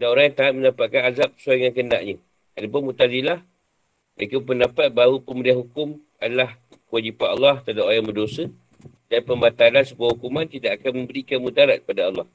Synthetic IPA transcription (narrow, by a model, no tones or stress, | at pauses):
danoɾaŋjaŋt̪aat̪̚məndapat̪̚kanazap̚ːə̥saŋankəna̰ʔɲə | adapʊnmut̪azilah | bakəpəndapat̪̚baɾupəmudianhukʊm | adalah | kəwad͡ʒipanɑlːɑht̪adaajaŋbədosə | danpəmat̪alansəbuahukumant̪idaʔakanmə̃mbəɾikanmut̪aɾat̪̚k̚ə̥padaɑlːɑh